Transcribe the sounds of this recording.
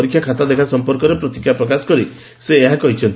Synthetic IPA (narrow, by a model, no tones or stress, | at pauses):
ɾikʰːjakʰat̪ad̪ekʰasɔmpɔɾkɔɾepɾɔt̪ikʰːjapɾɔkasɔ̥kɔɾi | seːɦakɔɦit͡ʃʰɔnt̪